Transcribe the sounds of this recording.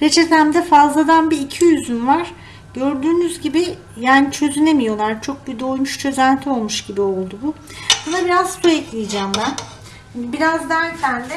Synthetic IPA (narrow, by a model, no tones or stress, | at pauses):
ɾet͡ʃʰet̪æmd̪ɛfazlˠad̪anbiːcʰijyzynvaɾ̥ | ɟ̥øɾd̪yːnyzɟibi | jaːnit͡ʃʰø̞zyne̞mijo̞lˠaɾt͡ʃʰo̞k̚bid̪o̞jmuʃt͡ʃʰø̞zænt̪ʰio̞lˠmuʃɟibio̞lˠd̪ubʊ | bonabiɾazsuɛclʲijd͡ʒæːmbæn | inbiɾazd̪æɾcʰænd̪ɛ